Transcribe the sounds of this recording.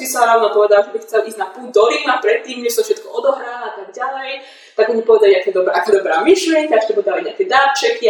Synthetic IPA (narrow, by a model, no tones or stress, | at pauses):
sisaɾanapɔʋɛd̪alʒɛbixt͡sɛlʔizɟnapuːd̪ɔlinapɾɛt̪ːiːmɲɛʃsɔfʃɛt̪kɔɔd̪ɔɦɾaːlat̪aɡ̚ɟalɛj | t̪aɡɔɲipɔʋɛd̪aliakɛɛd̪ɔbaʔakaːd̪ɔbɾaːmiʃlɪɛŋkaaʃt̪ɔpɔʋɛd̪aliɲɪakɛd̪aːɾt͡ʃɛki